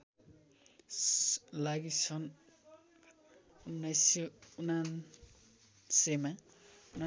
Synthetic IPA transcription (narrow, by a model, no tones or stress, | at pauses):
laɡisʰʌn | unajsunan | sema | na